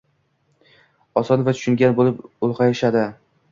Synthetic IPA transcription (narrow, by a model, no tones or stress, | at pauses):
ɒsɒnvat̪ʰʊ̥ʃʊŋɡʲanbolɪpʊlˠqɑjeʃad̪ɪ